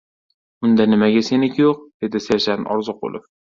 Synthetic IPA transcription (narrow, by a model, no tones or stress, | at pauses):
ʊnd̪anɪmaɡʲasenɪkʲʰjoqd̪̥e̞d̪ɪseʃanɒ̰ɾzʊq̚bo̰lˠɪf